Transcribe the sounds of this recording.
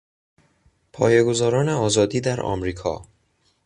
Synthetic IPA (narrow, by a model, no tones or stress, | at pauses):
pʰɒ̰ːjeɡo̞zɒːɾɒːneɒːzɒːd̪iːd̪æɾɒ̰mɾiːkʰɒ̰ː